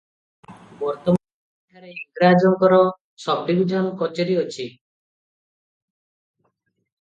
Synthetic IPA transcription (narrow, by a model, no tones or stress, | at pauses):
bɔɾt̪ɔman | ikʰaɾeiɡɾad͡ʒɔŋkɔɾɔ | sɔb̚ɖibid͡ʒʱanɔkɔt͡ʃɔɾiot͡ʃʰi